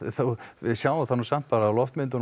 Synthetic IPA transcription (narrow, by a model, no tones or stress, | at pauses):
θowɪðsjaːwaθanːusam̥t̪paːɾaːwlɔft̪mɪnt̪ʏn